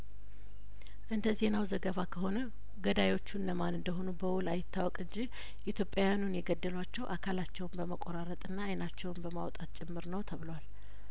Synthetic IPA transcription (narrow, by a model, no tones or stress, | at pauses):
ʔɨnd̪əze̞nawzəɡəβakʰəɦo̞nə | ɡəd̪ajo̞t͡ʃːunləmanɨnd̪əɦo̞nubəwʊlajɪt̪ːawɔkʼɨɲd͡ʒi | ʔit̪ʰjo̞pʼjajanunjɛɡəd̪ːəlwat͡ʃːɛwʔakʰalat͡ʃːɛwnbəməkʼoɾaɾət̪ʼɨnːaːjnat͡ʃːɛwnbəmawt̪ʼat̪̚t͡ʃʼɪmːɨɾnəwt̪ʰəβɨləwal